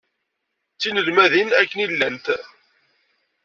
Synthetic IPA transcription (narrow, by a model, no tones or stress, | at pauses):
t͡sːinəlmæðinækːənilːənt̪